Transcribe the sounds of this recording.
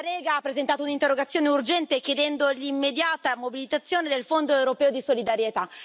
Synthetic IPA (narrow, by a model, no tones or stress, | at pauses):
ɾɛːɡaapːɾezent̪aːt̪ounint̪erːoɡat̪sːjoːneurd͡ʒɛnt̪ekjed̪ɛnd̪olimːed̪jaːt̪amobilit̪at̪sːjoːned̪elfond̪oewɾopɛːod̪isolid̪aɾjet̪a